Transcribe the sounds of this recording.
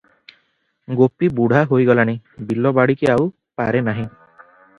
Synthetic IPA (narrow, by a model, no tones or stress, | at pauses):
ɡopibuɽ̤ʱaɦojɡɔlanibilːɔbaɽikiaw | paɾenaɦĩ